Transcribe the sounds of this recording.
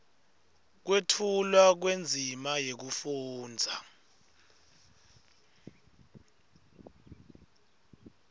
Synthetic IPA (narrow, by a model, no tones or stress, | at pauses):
k̬wetʰulwak̬wend͡zʱimajek̬ufuːnd͡zʱa